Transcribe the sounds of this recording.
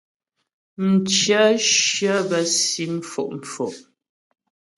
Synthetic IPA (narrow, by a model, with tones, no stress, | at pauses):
n̩˨t͡ʃə˦ʃə˦bə˨si˦m̩˨fo̰˨ʔm̩˨fo˨ʔ